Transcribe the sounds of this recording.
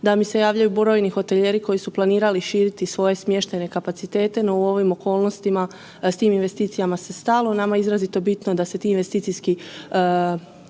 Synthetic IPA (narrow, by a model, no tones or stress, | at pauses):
d̪amise̞jaːʋʎajubɾo̞jnixo̞t̪eʎe̞ɾiko̞jisuplˠaniːɾaliʃiːɾit̪isʋo̞je̞smje̞ʃt̪ene̞kapat̪sit̪e̞ːt̪e̞no̞uo̞ʋimo̞ko̞ːlˠno̞st̪ima | st̪iːminʋe̞st̪iːt̪sijamase̞st̪alˠonamaizɾazit̪o̞bit̪no̞d̪ase̞t̪iːnʋe̞st̪iːt̪sijski